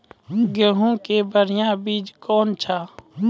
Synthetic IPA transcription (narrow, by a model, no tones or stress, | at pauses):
ɡəɦõkebəɾɪjãbiːd͡ʒkɔːnt͡ʃʰaː